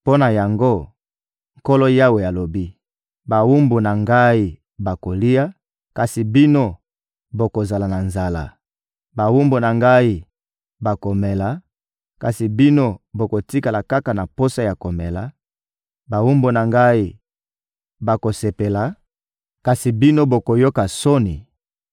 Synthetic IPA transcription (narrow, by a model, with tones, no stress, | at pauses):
po˦na˨ja˨ŋɡo˦ | ŋ̩ko˦lo˦ja˦we˨ja˨lo˨bi˦ | ba˨wu˦mbu˨na˨ŋɡa˦i˦ | ba˨ko˨li˦ja˦ | ka˨si˨bi˦no˦ | bo˨ko˨za˨la˨na˨nza˨la̰˨ | ba˨wu˦mbu˨na˨ŋɡa˦i˦ | ba˨ko˨me˨la˨ | ka˨si˨bi˦no˦bo˨ko˨ti˦ka˨la˨ka˦ka˨na˨po˦sa˦ja˨ko˨me˨la˨ | ba˨wu˦mbu˨na˨ŋɡa˦i˦ | ba˨ko˨se˨pe˨la˨ | ka˨si˨bi˦no˦bo˨ko˨jo˦ka˨so˦ni˨